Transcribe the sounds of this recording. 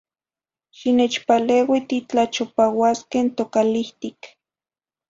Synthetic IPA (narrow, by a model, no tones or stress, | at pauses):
ʃinet͡ʃpaleːwit̪it͡ɬat͡ʃopawaskent̪okaliht̪ik